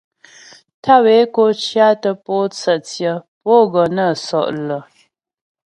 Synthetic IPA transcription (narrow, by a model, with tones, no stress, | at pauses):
tʰa˦˨we˨˦ko˦t͡ʃja˦tə˦po˦t͡sə˨tjə˦˨po˦ɡɔ˨nə˦˨sɔ̰˨ʔlə˨